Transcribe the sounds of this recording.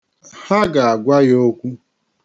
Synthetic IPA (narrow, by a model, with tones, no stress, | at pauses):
ha˦ɡa˨a˨ɡʷa˦jo˦kʷu˦